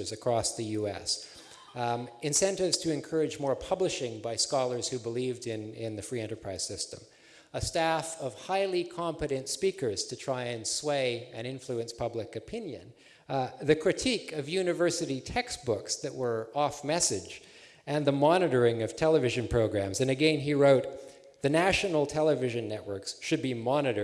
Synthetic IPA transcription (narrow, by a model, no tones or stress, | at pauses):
zɨkʰɹ̥ɔsðɨjʉɛ̰s | ɨ̃nsɛ̃ntɨvz̥tʰɨɨ̃nkʰɜ˞ɨd͡ʒmɔɹpʰʌblɨʃɪ̃ŋbaɪskɑlˠə˞z̥hʉbəlivdɪ̃nɪ̃nðɨfɹiɛ̃ntə˞pʰɹ̥aɪz̥sɪstə̰̃m | əstæfʌv̥haɪlˠikʰɑ̃mpɨɾɨ̃ntspikə˞z̥tʰɨtʰɹ̥aɪɨ̃nsweɪɨ̃ñɪ̃ɱfluɨ̃nspʰʌblɨkɨpʰɪ̃njɨ̰̃n | ðɨkʰɹ̥ɨtʰikʌvjʉnɨvɜ˞sɨɾitʰɛkstb̥ʊksðɨʔ̚wə˞ɔfmɛsɨ̥d͡ʒ | ɨ̃nðəmɑnɨɾə˞ɪ̃ŋʌv̥tʰɛlˠəvɪʒɨ̃npʰɹ̥oʊɡɹæ̃mzɨ̃nɨɡɛ̃niɹoʊt̪̚ | ðɨnæʃnl̩ˠtʰɛlˠəvɪʒɨ̃nːɛʔ̚wɜ˞ksʃɨd̚bimɑnɨɾə˞